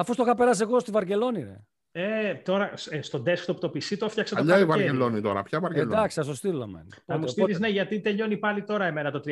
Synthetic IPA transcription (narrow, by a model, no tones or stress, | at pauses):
ɐfust̪oxɐpeɾɐs̬eɣo̞st̪ivɐɾce̞lo̞ninḛ | et̪o̞ɾɐsst̪od̪eskt̪oput̪o̞pisit̪ofçɐkset̪ʎɐivɐɾelonit̪o̞ɾɐ̰pçɐvɐɾeld̪ɐksiɐst̪ost̪ilo̰mḛ | pɐmusst̪iizneʝɐt̪it̪e̞ʎo̞nipɐlit̪o̞ɾɐe̞me̞nɐt̪o̞t̪ɾ